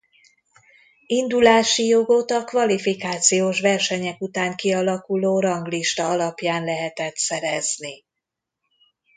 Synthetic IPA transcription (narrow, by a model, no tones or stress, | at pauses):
ind̪ulaːʃijo̞ɡo̞t̪ɒkvɒlifikaːt̪sijoːʃʋɛrʃɛɲɛkut̪aːŋkiɒlɒkuloːɾɒŋɡliʃt̪ɒɒlɒpjaːnlɛɦɛt̪ɛt̪sɛɾɛzni